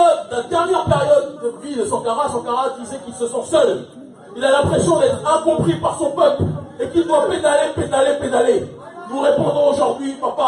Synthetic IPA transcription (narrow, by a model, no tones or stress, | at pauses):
ɔad̪ɛʁnjɛʁpeʁjɔd̪ːəvilsɑ̃kaʁasɑ̃kaʁad̪izɛkilsəsɑ̃sœl | ilalɛ̃pχesjɔ̃d̪ɛt̪χɛ̃kɔ̃pχipaʁsɔ̃pœplekild̪waped̪aleped̪aleped̪ale | nuʁepɔ̃d̪ʁɔ̃oʒuʁd̪ɥipaʁpa